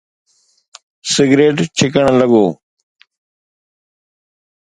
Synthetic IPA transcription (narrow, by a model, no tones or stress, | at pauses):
sɪɡɾeːʈt͡ʃʰɪkəɳləɡoː